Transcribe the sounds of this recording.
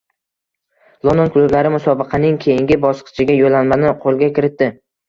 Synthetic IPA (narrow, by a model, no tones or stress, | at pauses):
lˠond̪onklˠublaɾɪmʊsɒbɨqʰɑnɪŋkʲʰe̞jɪŋɡʲɪbɒsqʰɨ̥t͡ʃʰɪɡʲajolːanmanɪqʰolˠɡʲakʲɪɾɪt̪d̪ːɪ